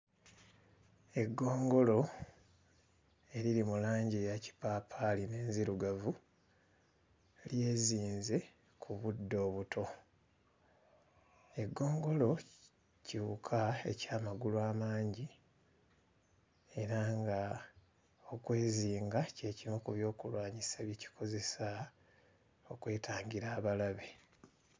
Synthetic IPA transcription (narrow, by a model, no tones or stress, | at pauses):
e̞ɡːo̞ːŋɡo̞lo̞ | e̞ɾiɾimulaːɲɟijaci̥paːpʰaline̞ːnziɾuɡavu | lje̞ːziːnze̞ | kʰuβudːo̞ːβutʰo̞ | e̞ɡːo̞ːŋɡo̞lo̞ | ciβukʰaḛcaːmaɡuluaːmaːɲɟi | e̞ɾaŋɡa | o̞kwe̞ːziːŋɡace̞ːcimukuβjo̞ːkulwaːɲiseβjici̥kʰo̞ze̞sa | o̞kwe̞ːtaːɲɡiɾaːβalaβe̞